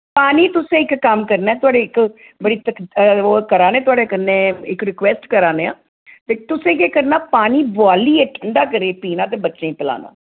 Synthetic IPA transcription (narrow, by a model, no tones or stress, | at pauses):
paːniːt̪ʊsẽːɪkːəmkəɾnaːɛːt̪ʊaːɖeːɪk | bəɽiːt̪ək̪ːkəɾaːnẽːt̪ʊaːɖeːkənːẽːɪkɾɪkʋɛːsʈkəɾaːnẽːã̰ː | t̪eːt̪ʊsẽːkeːkəɾnaːpaːniːbaːliːeʈʰəɳɖaːkəɾeːpiːnãːt̪̬eːbətːʃẽːpɪla̰ːna̰ː